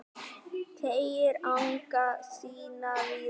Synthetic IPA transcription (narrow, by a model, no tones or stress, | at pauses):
t̪ʰeeɾãŋkasiːnali